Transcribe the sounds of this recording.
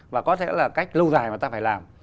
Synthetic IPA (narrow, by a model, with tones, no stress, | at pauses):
vaː˨˩kɔ˨˦t̪ʰḛ˧˥laː˨˩ka˦˥jk̟̚lu˧zaː˨˩jmaː˨˩t̪aː˧faː˧˩jlaː˨˩m